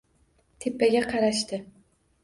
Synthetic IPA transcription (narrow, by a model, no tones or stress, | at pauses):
t̪ʰepːaɡʲaqʰɑɾaʃt̪ɪ